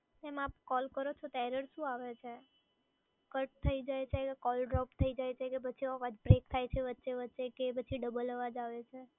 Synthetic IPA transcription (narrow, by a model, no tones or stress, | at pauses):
ɛmap̚kɔlkəɾot͡ʃʰot̪ɛɾəɾʃũaʋet͡ʃʰe | kəʈ̚t̪ʰəid͡ʒajt͡ʃʰekkɔlɖɾɔpt̪ʰəid͡ʒajt͡ʃʰekep̬ət͡ʃʰiəʋad͡ʒbɾek̚t̪ʰajt͡ʃʰeʋətːʃeʋətːʃekep̬ət͡ʃʰiɖəbələʋad͡ʒaʋet͡ʃʰe